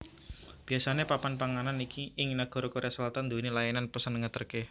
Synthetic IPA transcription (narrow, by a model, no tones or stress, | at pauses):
b̥i̤asanepapanpaŋananikiʔɪŋnaɡ̥ɔɾɔkoɾeasəlat̪and̪o̤nelajananpəsənŋət̪ərke